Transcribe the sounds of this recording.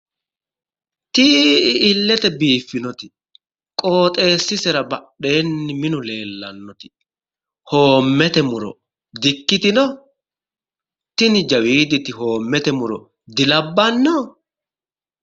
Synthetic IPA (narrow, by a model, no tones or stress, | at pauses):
t̪ɪɪlːɛt̪ɛbiːfːɪnɔt̪ɪ̥ | kʼo̞ːt̪ʼe̞ːsːɪsɛɾɐbɐɗe̞ːnːɪmɪnʊle̞ːlːɐnːɔt̪ɪ̥ | hoːmːɛt̪ɛmʊɾɔ̰ | d̪ɪkːɪt̪ɪnɔ | t̪ɪnɪd͡ʒɐwiːd̪ɪt̪ɪho̞ːmːɛt̪ɛmʊɾɔ̰ | d̪ɪlɐbːɐnːɔ